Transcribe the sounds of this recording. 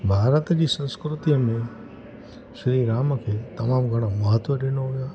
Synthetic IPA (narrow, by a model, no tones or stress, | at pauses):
bʱaɾət̪d͡ʒisə̃skɾut̪ijəmẽ | ʃɾiɾaməkʰet̪əmamɡʱəɽ̃aməɦət̪ʋəɾenoɦoja